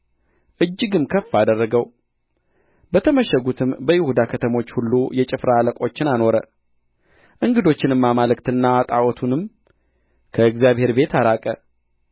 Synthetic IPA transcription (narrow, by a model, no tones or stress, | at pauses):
ʔɨd͡ʒːɨɡɨmkʰəfːad̪ərːəɡəw | bət̪ʰəməʃəɡut̪ʰɨmbəjɪhud̪akʰət̪ʰəmo̞t͡ʃːhulːujɛt͡ʃʼɪfɾaləkʼo̞t͡ʃːɪnano̞ɾə̰ | ʔɨŋɡɨd̪o̞t͡ʃːɪnɨmːamalɨkt̪ɨnːat̪ʼawɔt̪ʰunɨm | kʰəɨɡzjaβhe̞ɾbe̞t̪aɾakʼə